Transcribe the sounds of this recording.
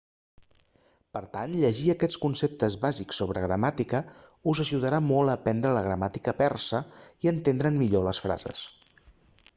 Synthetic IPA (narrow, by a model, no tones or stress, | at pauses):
pəɾt̪anʎəʒiəkɛt͡skunsep̚t̪əzβaziksːoβ̞ɾə̰ɣɾəmat̪ikəuzəʒuðəɾamɔlˠəːpɛnd̪ɾələɣɾəmat̪ikəpɛrsəiənt̪end̪ɾənmiʎoləsfɾa̰zə̰s